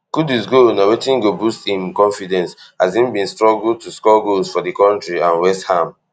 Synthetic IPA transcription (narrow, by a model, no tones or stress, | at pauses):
ɡ̥udizɡonawetĩŋɡobustĩnkɔ̃nfidɛ̃nshazĩnbĩnstɹɔɡultuskɔɡolsfɔdikɔ̃ntɹiãnwɛsthãm